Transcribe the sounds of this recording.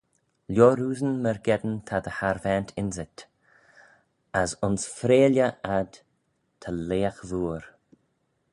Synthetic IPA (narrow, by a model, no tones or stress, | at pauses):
ljoːɾuːzənməɾɡɛd̪ənt̪ʰad̪əhaɾvɛːnt̪ʰɪnzɪt̪ | əsʊnsfɾeːljəad̪ | t̪ʰaleːaxðuːɾ